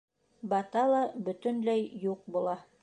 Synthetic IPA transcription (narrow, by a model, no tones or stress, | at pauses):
bɑt̪ɑlˠɑbɵ̆t̪ɵ̆nlæjjuq̚bulˠɑ